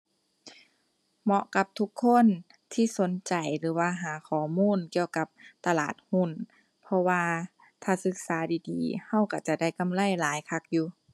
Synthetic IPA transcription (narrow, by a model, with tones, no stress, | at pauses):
mɔ˧ʔka˧p̚t̪ʰu˧˦kʰːo˧˥˨n | t̪ʰiː˧˩˨so˨˦nt͡ɕa˨˩jlɯː˨˦waː˧˩ɦaː˨˦kʰɔː˨˩muː˧˥˨nki˧˨əwka˧˦p̚t̪a˧laː˨˩t̪̚hu˧˥˨n | pʰɔ˧waː˧ | t̪ʰaː˧˩sɯ˧˦k̚saː˨˦diː˨˧diː˨ha˧˥˩wka˧˩t͡ɕa˧˩da˧˥˩jka˧˨mla˧˥˨jlaː˨˦jkʰa˧˩k̚juː˧˦